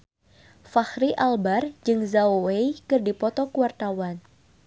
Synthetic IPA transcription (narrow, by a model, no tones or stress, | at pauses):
fahɾiʔalbard͡ʒɨŋzaowejkɨrdipɔt̪ɔkuart̪awan